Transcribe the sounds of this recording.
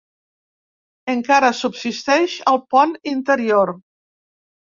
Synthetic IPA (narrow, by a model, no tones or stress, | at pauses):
əŋkaɾəsubsist̪ɛʃəlˠpɔnint̪əɾioɾ